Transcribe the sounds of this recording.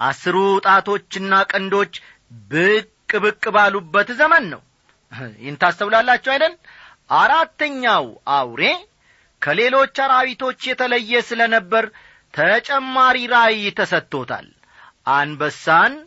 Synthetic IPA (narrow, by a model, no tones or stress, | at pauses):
ʔa̰sɨɾut̪ʼat̪ʰo̞t͡ʃːɨnːakʼɨnd̪o̞t͡ʃː | bɨkʼːɨbɨkʼːɨbalubːət̪zəmənːə̰w | jɪnt̪asəβlalːat͡ʃːɛwajd̪ən | ʔaɾat̪ːəɲːawʔawɾe̞ | kʰəle̞lo̞t͡ʃːaɾaβit̪ʰo̞t͡ʃːjɛt̪ʰələjːɛsɨlənəbːəɾ | t̪ʰət͡ʃʼɛmːaɾiɾajt̪ʰəsət̪ːo̞t̪ʰa̰l | ʔanbəsːan